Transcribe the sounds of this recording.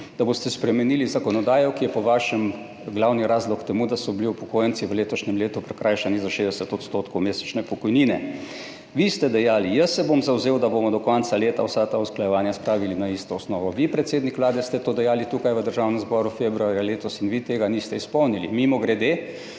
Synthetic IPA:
d̪̥aboːst̪ɛspɾɛmɛnilizakɔnɔd̪aːjɔkijɛpɔʋaːʃɛm | ɡlawniɾaːzlɔkt̪ɛmud̪asɔbliupɔkoːjənt̪siʋəleːt̪ɔʃnɛmleːt̪upɾɛkɾajʃanizaʃeːd̪ɛsɛt̪ɔt̪st̪ot̪kʰɔwmeːsɛ̥t͡ʃnɛpɔkɔjniːnɛ | ʋist̪ɛd̪ɛjaːlijəsːɛbomzawzeːwd̪abomɔd̪ɔkɔnt̪saleːt̪awsat̪ausklajɛʋaːnjaspɾaːʋilinaist̪ɔɔsnɔːʋɔʋipɾɛt̪seːd̪nikʋlaːd̪ɛst̪ɛt̪oːd̪ɛjaːlit̪ukajʋəd̪əɾʒaːwnɛmzbɔːɾufebɾuaːɾjaleːt̪ɔsinʋit̪eːɡanist̪ɛispɔwnilimimɔɡɾɛd̪eː

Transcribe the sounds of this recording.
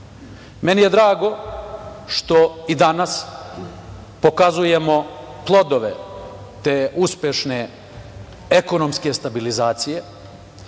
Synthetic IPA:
me̞nije̞d̪ɾaːɡo̞ | ʃt̪o̞id̪anas | po̞kazuje̞mo̞plˠo̞d̪o̞ʋḛ | t̪euspjeʃne | eko̞nomske̞st̪abilizaːt̪sije̞

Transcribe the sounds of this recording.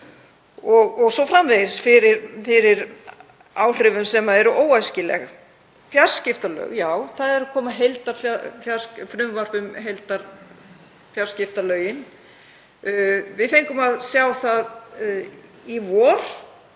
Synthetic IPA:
ɔɣɔɣsɔfɾamveðɪsfɪɾɪɾfɪɾɪɾ | aːwr̥ɪvʏmsɛmaɛɾʏʔoːwajscɪlɛ̰ɣ | fjar̥scɪft̪alœ̰ɥɣjaːwθaðɛɾakʰɔːmaɦejlt̪aɾ̥fafjḁsfɾʏmvar̥pʏmɦejlt̪aɾ | fjaɾ̥scɪft̪alœːɥjɪn | vɪðθejŋkʏmaðsjaːwθað | ivɔːɾ̥

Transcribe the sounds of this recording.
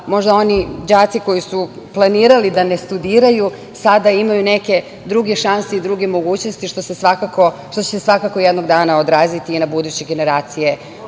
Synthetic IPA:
mo̞ʒd̪ao̞nid͡ʑaːt̪siko̞jisu | plˠaniːɾalid̪ane̞st̪ud̪iːɾaju | sad̪aimajune̞ke̞ | d̪ɾuɡe̞ʃanseid̪ɾuɡe̞mo̞ɡuːt͡ɕno̞st̪iʃt̪o̞sesʋakakoʃt̪ot͡ɕesesʋakakojed̪no̞ɡd̪aːnaod̪ɾaːzit̪iːnabud̪ut͡ɕe̞ɡene̞ɾaːt̪sije̞

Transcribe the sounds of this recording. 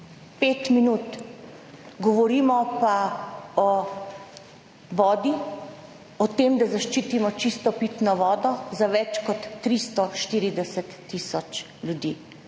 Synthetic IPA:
peːt̪minuːt̪ | ɡɔʋɔɾiːmɔpaɔ | ʋɔːd̪i | ɔt̪eːmd̪azaʃt͡ʃiːt̪imɔt͡ʃist̪ɔpit̪nɔʋɔːd̪ɔzaʋɛt͡ʃkɔt̪ːɾist̪ɔʃt̪iːɾid̪ɛsɛt̪ːisɔt͡ʃ | ljud̪iː

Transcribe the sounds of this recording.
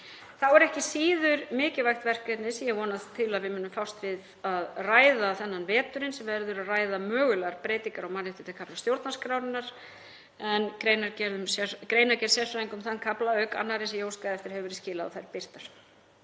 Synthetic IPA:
θawɛɾɛhcɪsiːðʏɾmɪːcɪvajxt̪vɛr̥kɛt̪nɪsijɛɣvɔːnaðt̪ʰɪlaðvɪmʏːnːʏmfawst̪vɪð | aðraːjðaθɛnːanvɛːt̪ʏɾɪnsɛmvɛɾðʏɾaðraːjðamœːɣʏlaɾ̥pɾeːjt̪iŋkaɾawmanɪht̪ʏ̥t̪ɪlkʰaplḁst̪jowɾt̪naskɾawnɪnːaɾ̥ | ɛnkɾeːjnaɾcɛɾðʏmsɛkɾeːjnaɾcɛɾsjɛr̥faiŋkʏmθankʰaplaœɥka̰nːaɾɪsɛjoːwskaðɛft̪ɪɾ̥hɛvɪɾɪscɪːlaða̰θajɾpɪr̥t̪aɾ̥

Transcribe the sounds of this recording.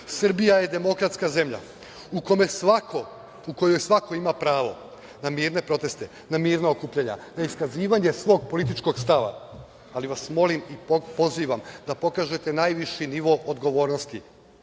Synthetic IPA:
sr̩bijaje̞d̪e̞mo̞kɾat̪skaze̞mʎa̰ | uko̞me̞sʋako | uko̞jo̞jsʋako̞imapɾaːʋo̞̰ | namiːɾne̞pɾo̞t̪e̞st̪e̞ | namiːɾnaokuːpʎaɲa̰naiskaziːʋaɲe̞sʋo̞ːɡ̚po̞lit̪̬it͡ʃko̞ɡst̪aʋa̰ | aliʋasmo̞limipo̞ziːʋamd̪apo̞kaːʒe̞t̪e̞najʋiʃiniʋo̞ʔod̪ɡo̞ʋo̞ːɾnost̪i

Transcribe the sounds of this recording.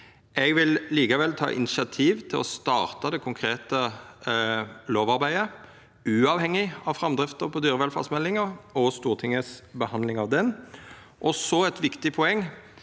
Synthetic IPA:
ɛɡʋɪlliːkəʋɛlt̪ʰɑ̰ːʔɪ̰nɪʃɪɑt̪ʰiːʋt̪ʰɪlɔst̪ɑːʁt̪ɑd̪ɛkʰʊŋkʰɾeːt̪ə | loːʋɑɾbæɪə | ʉːɑːʋhɛŋːɪɑʋfɾɑmd̪ɾɪft̪əɾpʰɔd̪yːɾəʋɛlfɑ̰ʁsmɛlːɪŋəɔst̪uːʁt̪ʰɪŋːəsbəhɑnlɪŋɑʋd̪ɛn | ʔɔsɔɛt̪ʋɪkt̪ɪpʰɔɛŋː

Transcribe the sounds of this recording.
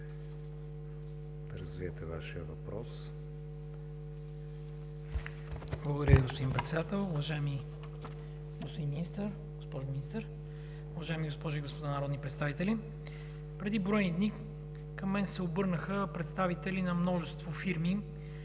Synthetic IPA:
d̪̥ɐɾəzviɛt̪ɛva̰ʃiəvɐ̰pɾɔs | blˠəɡod̪ɐɾʲəviɡospod̪impɾɛt̪sɛd̪at̪ɛlˠʊvɐʒaɛmi | ɡospod̪inminist̪əɾ | ɡospɔʒʊminist̪əɾ | ʊvɐʒaɛmiɡospɔʒiɡospod̪anɐɾɔd̪nipɾɛt̪st̪avit̪ɛli | pɾɛd̪ibɾɔjnid̪ni | kɐmːɛnsɛobɤɾnəxəpɾɛt̪st̪avit̪ɛlinɐmnɔʒɛst̪vofiɾmi

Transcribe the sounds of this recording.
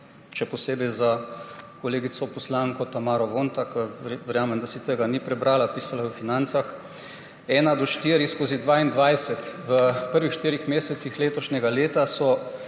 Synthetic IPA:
ʃɛpɔseːbɛjzakoleːɡit̪sɔpɔslaŋkɔt̪amaːɾɔʋoːnt̪akəʋɛɾjaːmɛmd̪asit̪əɡanipɾɛbɾaːlapiːsalawəfinant̪sax | ɛːnad̪ɔʃt̪iːɾiskoːzid̪ʋaːind̪ʋajsɛt̪ʋəpəɾʋixʃt̪iːɾixmeːsɛt̪sixleːt̪ɔʃnɛɡaleːt̪asɔ

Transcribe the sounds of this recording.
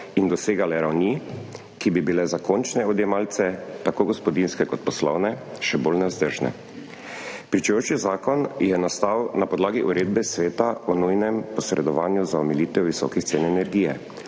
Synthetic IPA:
ind̪ɔseːɡalɛɾawni | kibibilɛzakont͡ʃnɛɔd̪jɛmaːlt̪sɛt̪akoːɡɔspɔd̪inskɛkɔt̪pɔslɔwnɛʃɛbolnɛzd̪əɾʒnɛ̰ | pɾit͡ʃɛjoːt͡ʃizaːkɔnjɛnast̪awnapɔd̪laːɡiʔuɾeːd̪̚bɛsʋeːt̪aɔnujnɛmpɔsɾʔɛ̰d̪ɔʋaːnjuzaɔmɛliːt̪ɛwʋisɔ̰ːkixt̪seːnɛnɛɾɡiːjɛ̰

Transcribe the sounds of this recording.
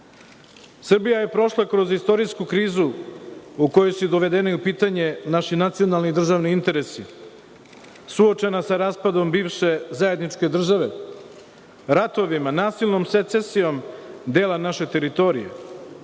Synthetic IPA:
sr̩bijaje̞pɾo̞ʃlˠakɾo̞zist̪o̞ɾiskukɾiːzu | uko̞josud̪o̞ʋe̞d̪enaiupiːt̪aɲe̞naʃinat̪sio̞nalˠnid̪r̩ʒaʋniint̪e̞ɾe̞si | suot͡ʃe̞nasaɾaːspad̪o̞mbiːʋʃe̞zaje̞d̪nit͡ʃke̞d̪r̩ʒaʋe̞ | ɾat̪o̞ʋimanaːsilˠnomset̪se̞sijo̞md̪e̞ːlanaʃet̪e̞ɾit̪o̞ɾḭjḛ

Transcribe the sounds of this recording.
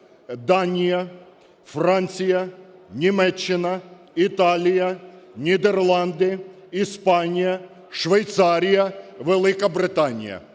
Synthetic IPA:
d̪anʲɪjɐ | franʲt̪sʲɪjɐnʲɪmɛt͡ɕːɪnɐ | ɪt̪alʲɪjɐnʲɪd̪ɛrlˠand̪ɨ | ɪspanʲɪjɐ | ʂvʲejt̪saɾʲɪjɐvʲɛlʲˠɪkəbɾʲɪt̪anʲɪ̰jɐ̰

